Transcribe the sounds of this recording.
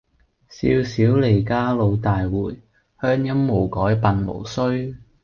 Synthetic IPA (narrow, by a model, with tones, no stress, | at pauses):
sḭː˧wsiː˨˥wle˨˩jkaː˥lo˨˧wt̪aː˨jwuː˨˩j | hœː˥ŋjɐ˥mːo˨˩wkɔː˨˥jpɐ˨˧nmo̰˨˩wsɵ˥ɥ